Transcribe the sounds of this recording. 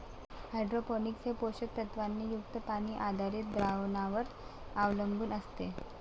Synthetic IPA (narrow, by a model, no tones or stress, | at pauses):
hajɖɾopɔniksepoɕək̪̚ɾət̪ʋanːiːjuk̚t̪əpaniːʔad̪ʱaɾiːt̪̚bɾaʋnaʋəɾaʋləmbuːnəst̪e